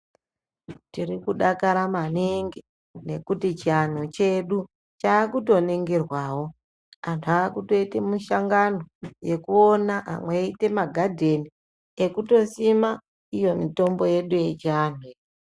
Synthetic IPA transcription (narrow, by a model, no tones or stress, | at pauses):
tirikuɗakaɾamaniŋɡi | ne̞kutit͡ʃian̤ut͡ʃe̞ɗu | t͡ʃaːkuto̞neŋɡerwaːwo̞ | antʰuaːkuto̞itemuʃaŋɡano̞je̞kuonaʔa̰mweite̞maɡʱadʱe̞ni | ekuto̞sima | ijo̞mito̞mbo̞je̞ɗuje̞t͡ʃiaːnwe